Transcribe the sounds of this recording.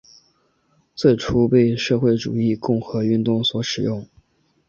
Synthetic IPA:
t͡swe˥˩ɪʈ͡ʂʰu˥pe˥˧ɪʂɤ˥˧xwe˥˩ɪʈ͡ʂṵ˨˩i˥˧kʊ˥˩ŋxɤ˧˥y˥˧nt̪ʊ˥˩ŋswɔ˧˥ʂɻ̩˨˩jʊ˥˩ŋ

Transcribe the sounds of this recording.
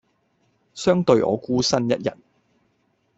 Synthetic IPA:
sœː˥ŋt̪ɵ˧ɥʔɔ̰ː˨˧kuː˥sɐ˥njɐ˦˥t̚jɐ̰˨˩t̚

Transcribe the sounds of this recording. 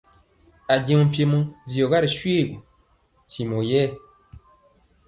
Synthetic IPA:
a˨ɟẽ˨ũ˨pje˨mũ˦di˨o˨ɣa˦ɾi˨sɥe˦˨ɡu˨ | ti˨mo˨jɛ˦˨

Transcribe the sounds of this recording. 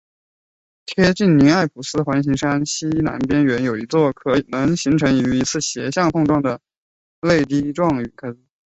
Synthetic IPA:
t̪ʰjɛ˥t͡ɕi˥˩ŋni˧˥a˥˩ɪpʰu˨˥˩sɹ̩˥˧xwa˧˥nɕi˧˥ŋʂa˥nɕi˥na̰˧˥npjɛ˥nɥɛ˧˥njo˨˩ʊi˧˥t͡swɔ˥˩kʰɤ˧˥i˨˩nɤ˧˥ŋɕi˧˥ŋʈ͡ʂʰɤ˧˥ŋi˨˩y˧˥i˧˥t͡sʰɹ̩˥˩ɕjɛ˧˥ɕjɑ˥˧ŋt̪ʰʊ˥˧ŋʈ͡ʂwɑ˥˩ŋd̪ə˩ | le˥˧ɪt̪̬i˥ʈ͡ʂwɑ˥˩ŋy˨˩kʰa˥t͡s̩˧˩

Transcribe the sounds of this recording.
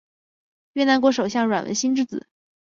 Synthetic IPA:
ɥɛ˥˩na˧˥nkwɔ˧˥ʂo˨˩ʊɕjɑ˥˩ŋɻwa̰˨˩nwə̰˧˥nɕi˥nʈ͡ʂɻ̩˥˧t͡sɹ̩˨˩˦

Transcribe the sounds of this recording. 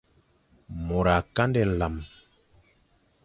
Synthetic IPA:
mo˨ɾa˨ka˦ndɛ˦˨la˨m

